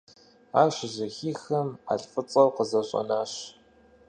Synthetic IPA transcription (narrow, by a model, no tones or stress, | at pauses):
aːɕʑɐxiːxɐma̰ɬʼfɨt͡sʼɐwqəzɐɕʼɐ̰naːɕ